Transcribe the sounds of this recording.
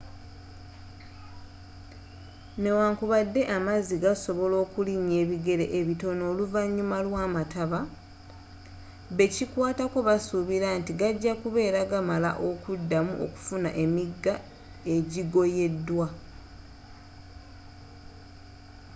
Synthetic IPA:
ne̞waːŋkuβadːe̞ʔamaziɡaso̞βo̞lo̞ːkuliɲe̞ːβiɡe̞ɾe̞ʔeβito̞no̞ːluvaɲːumalwaːmataβa | βe̞cikwaːtako̞βasuβiɾantiɡaɟːakuβe̞ːɾaɡamala̰ʔo̞kudːamuʔo̞̰ku̥funa̰ʔe̞miɡːa | e̞ɟiɡo̞je̞dːwa

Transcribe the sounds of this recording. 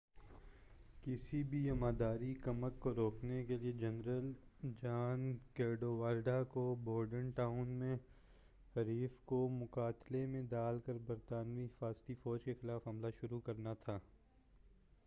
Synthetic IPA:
kɪsibʱiɐmaːd̪aːɾikɐməkːoɾoːknekelied͡ʒɐnɾəld͡ʒaːnkeːɖoʋaːlɖakoboːɾɖənʈaːʊnmẽ | ɦɐɾiːfkomʊkaːt̪lemẽd̪aːlkəɾbɐɾt̪aːnʋiɦɪfaːzt̪ifɔːd͡ʒkexɪlaːfɦɐmlaʃʊɾukɐɾnat̪ʰaː

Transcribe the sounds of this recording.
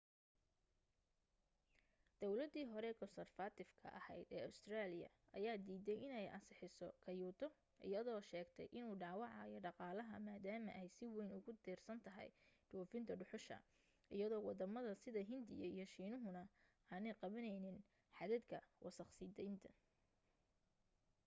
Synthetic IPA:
d̪̥ɔwlɐd̪iːɦɔɾɛːkʰɔnsɐrfat̪ʰɪfkʰɐ̰ʔɐhɛjd̪ɛːɐʊst̪ʰraːlɪjɐ̰ | ʔɐjaːd̪iːðɛjɪnɛjʔɐ̰nsɪħɪsɔkʰɐjuːt̪ʰɔ | ʔɪ̰jɐðɔːʃɛːɡt̪ʰɛ̰jʔɪnuːɖɑːwɑʕɑːjɔɖɑqɑːlɐɦɐ̰maːd̪aːmɐ̰ʔɛjsɪwɛjnʊɣʊd̪iːrsɐnt̪ʰɐɦɛ̰jɖ̥uːfɪnt̪ʰɐɖʊħʊʃɐ̰ | ʔɪjɐðɔːwɑd̪ɐmɐðɐsɪðɐɦɪnd̪ɪjɐ̰ijɞʃiːnʊɦʊnɐ | aːnɛjqɑβɐnɛjnɪn | ħɑðɐd̪kʰɐwʔɑ̰sɐχsɪd̪ɛjnt̪ʰɐ̥

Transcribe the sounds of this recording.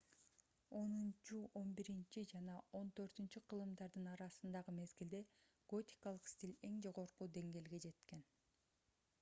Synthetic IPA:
o̞nunt͡ʃuʔo̞nbiɾint͡ʃid͡ʒɑnɑʔo̞nt̪ø̞ɾt̪ynt͡ʃyqʰɯlˠɯmd̪ɑɾd̪ɯnɑɾɑsɯnd̪ɑʁɯme̞zɡild̪e̞ | ɡ̥o̞t̪ʲi̥kɑlˠɯqsʲt̪ʲilʲe̞ŋd͡ʒo̞ʁo̞ɾqud̪e̞ŋɡe̞ːlɡe̞d͡ʒe̞t̪ke̞n

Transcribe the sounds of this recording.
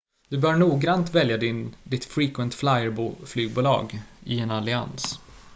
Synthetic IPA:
d̪̥ɵbœːɾɳuːɡɾant̪vɛljad̪ɪnd̪ɪt̪fɾiːkwɛnt̪flajəɾbuːflyːɡ̚buːlɑ̰ːɡɪɛnalɪa̰ns

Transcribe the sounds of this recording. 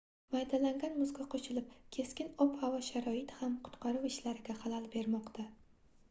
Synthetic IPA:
majd̪alaŋɡʲanmʊzɡʲaqʰot͡ʃɪlɪpkʲʰe̞skʲɪnɒphavɒʃaɾɒɪt̪hamqʰʊ̥t̪qɑɾʊwɪʃlaɾɪɡʲahalalbe̞ɾmɒqt̪ʰa

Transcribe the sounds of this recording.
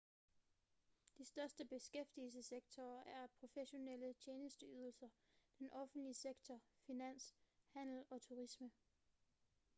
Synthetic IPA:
d̥isd̥ɶɐsd̥əb̥e̝sɡ̥efd̥ils̬əseɡ̥t͡sʰɒːʔæɐpʰʁo̝feɕo̝nel̰ət͡ɕʰeːnəsd̥əyːð̞ˠl̩sɐ | d̥enʔɒ̽fn̩d̥liəseɡ̥t͡sʰɒfinæn̰shæn̰l̩ɒ̽t͡sʰuʁismə

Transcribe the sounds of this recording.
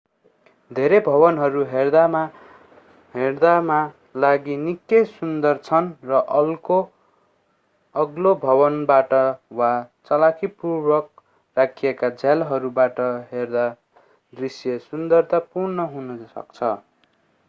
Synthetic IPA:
d̪ʱeɾebʱʌβʌnɦʌɾuɦerd̪ama | ɦerd̪ama | laɡinikːjʌjsund̪ʌrt͡sʰʌnrʌʔʌlko | ʌɡlobʱʌbʌnbaʈʌwat͡sʌlakʰipurbʌk̚ | rakʰijekad͡zʱalɦʌɾubaʈʌɦerd̪a | d̪risjesund̪ʌrt̪apurnʌɦunʌsʌ̰kt͡sʰʌ̰

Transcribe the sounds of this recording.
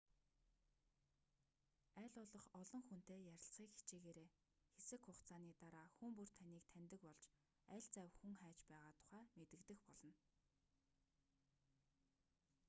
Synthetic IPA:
æːɮʊːɮɞ̆χɔɮɞ̆ŋxun̥t̪eːjæɾʲɪ̆ɬsiːkxi̥t͡ɕiːɣeːɾeː | xesɘ̆kxʊχt͡sʰaːniːt̪aɾaːxumpur̥t̪ʰaniːk̚t̪ʰænt̪ɘ̆kpɔɮt͡ɕ | æɮt͡sæwxuŋχæːt͡ɕpæːʁaːt̪ʰʊ̥χæːmet̪ɘ̆kt̪ɘ̆xpɔɮɞ̆n

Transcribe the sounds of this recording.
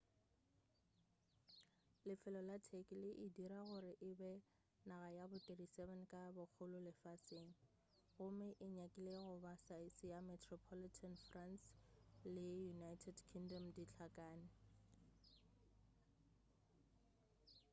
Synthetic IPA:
lɪfɪlɔlatʰɛkʼɪlɪʔɪdiɾaɣʊɾɪʔɪbɛ | naɣajabʊtʼedisɛvɛnkʼabʊk͡xʰʊlʊlɪfaseːŋ̩ | ɣʊmɪʔɪɲakʼɪleɣʊbasaɪsɪjamɛtʰrɔpʰɔlitʰanfranslɪjunaitʰɛdkʰiŋdɔmdit͡ɬʰakʼaːnɪ

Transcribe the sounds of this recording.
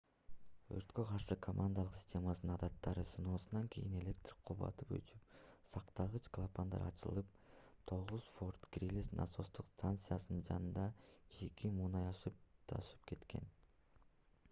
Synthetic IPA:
ø̰ɾt̪kø̞qʰɑɾʃɯkʰomʔand̪alˠɯqsʲi̥sʲtʲʰe̞mɑsnɯnɑd̪ɑt̪ːɑɾɯsɯno̞ːsɯnɑŋkʲʰḛjine̞lʲe̞k̚t̪rʲi̥k̚qʰuβɑ̰t̪ɯpø̰t͡ʃyp̚sɑqt̪ɑʁɯt͡ʃklˠapand̪ɑ̰ɾɑt͡ʃɯ̰lˠɯp̚t̪ʰo̞ʁuz̥fo̞rt̪krʲilʲisnʔa̰so̞st̪uqst̪ant̪sɨjasɯnɯnd͡ʒɑ̰nɯnd̪ɑd͡ʒekʰʲimuːnɑjɑʃɯpt̪ʰɑ̰ʃɯ̥p̚ke̞t̪kʰe̞̰n

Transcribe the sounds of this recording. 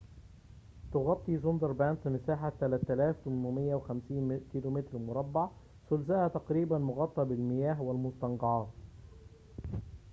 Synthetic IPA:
t̪ʊɣɑt̪ˤːizʊnd̪ɑɾˤbaːnfɪnɪsaːħat̪ːælæt̪ːælaːft̪ʊmʊmɪjːawɪxamsiːnkiːlomɪt̪ɾmʊɾˤɑbːɑʕ | sʊlzahat̪ɑqɾiːbanmʊɣɑt̪ˤːɑbɪlmɪjaːɦwɪlmʊst̪ɑnɡɑʕɑːt̪

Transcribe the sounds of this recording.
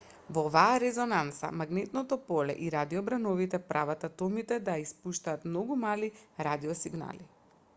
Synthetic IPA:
vɔovaːɾɛzɔnant̪sa̰maɡnɛt̪nɔt̪ɔpɔlɛ̰ʔiɾad̪iɔbɾanɔvit̪ɛpɾʔavat̪at̪ɔmit̪ɛd̪ajaispuʃt̪aːt̪mnɔɡumaliɾad̪iɔsiɡna̰li

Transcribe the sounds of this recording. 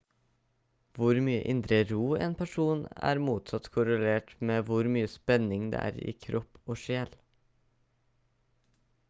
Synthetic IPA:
ʋʊɾmyːə̰ʔɪnd̪ɾəɾuːḛːnpʰæʂuːnæ̰ːɾmuːt̪sɑt̪kʰʊɾəleːʈmeːʋʊɾmyːəspɛnɪŋd̪ḛːʔæ̰ːɾḭːkʰɾʔɔpːoːʃeːl

